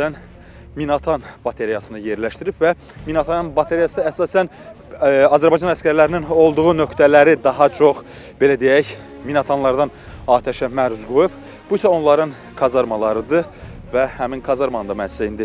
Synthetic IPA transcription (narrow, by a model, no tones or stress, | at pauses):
æn | minɑt̪ʰɑnb̥ɑt̪ʰe̞ɾijɑsɯnɯje̞ɾlæʃt̪iɾipvæ | minɑt̪ʰɑnɯnbɑt̪ʰeɾijɑsɯd̪ɑæsɑːsæn | ɑzæɾbɑjd͡ʒɑnæskʲæɾlæɾinino̞lˠd̪uʁunø̞kt̪ʰælæɾid̪ɑɦɑt͡ʃʰo̞χ | b̥e̞læd̪ejæç | minɑt̪ʰɑnlˠɑɾd̪ɑn | ɑːt̪ʰæʃæmæɾuzɡojup | b̥uisæo̞nlˠɑɾɯn | kʰɑzɑɾmɑlˠɑɾɯd̪ɯ | væhæminkʰɑzɑɾmɑnd̪ɑmænssæind̪i